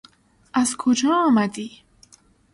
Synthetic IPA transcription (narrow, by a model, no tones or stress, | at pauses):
azkʰod͡ʒɒːmad̪i